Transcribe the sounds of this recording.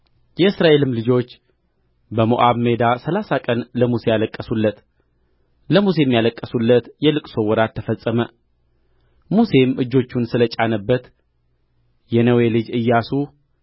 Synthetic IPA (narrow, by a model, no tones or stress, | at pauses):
jɛɨsɾaʔe̞lɨmlɨd͡ʒo̞t͡ʃː | bəmo̰ʔaβme̞d̪asəlasakʼənləmuse̞jaləkʼːəsulːət̪ | ləmuse̞jmːjaləkʼːəsulːət̪jɛlɨkʼso̞wɔɾat̪ʰːəfəsʼːəmə | muse̞mʔɨd͡ʒːo̞t͡ʃːunsɨlət͡ʃʼanəbːət̪ | jɛnəwe̞lɨd͡ʒɨjːasu